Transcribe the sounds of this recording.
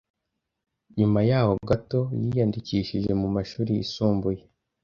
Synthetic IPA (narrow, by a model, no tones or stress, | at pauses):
ɲumajaːho̞bɡato̞jijandiciːʃiʒe̞mumaʃuːɾiḭsuːmbuje̞